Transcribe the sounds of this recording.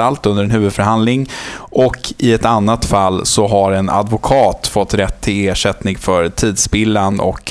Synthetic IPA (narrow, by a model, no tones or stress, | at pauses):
alt̪ɵnd̪əɾɛnhʉ̟ːvɵd̪fœɾhand̪lɪŋʔɔkʰɪɛt̪anːat̪falːsɔɦaɾɛna̰d̪vʊkʰɑːt̪fɔt̪ːɾɛt̪ʰːɪleːʂɛt̪nɪŋfœɾt̪ʰiːd̪sbɪlːanɔ̰k